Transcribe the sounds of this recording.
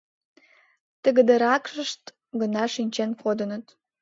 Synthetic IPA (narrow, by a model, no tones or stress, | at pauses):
t̪ə̆ɣəd̪ə̆ɾɑkʃəʃt̪ | ɡə̆nɑʃinʲt͡ɕenkod̪ə̆nə̆t̪